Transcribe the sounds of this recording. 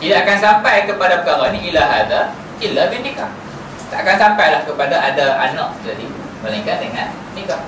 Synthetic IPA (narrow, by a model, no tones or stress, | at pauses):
t̪idaʔakansampajkəpadapəkaɾaniʔilaɦada | ilabinika | t̪aʔakansampajlahkəpadaadaanak̚d͡ʒadi | bəlĩŋkat̪̚dəŋãn | nikah